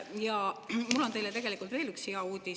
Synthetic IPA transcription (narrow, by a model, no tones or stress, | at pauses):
jɑmulːo̞nt̪e̞jlet̪e̞ɡe̞likˑult̪ve̞ːlyksheɑuːd̪̥ʲi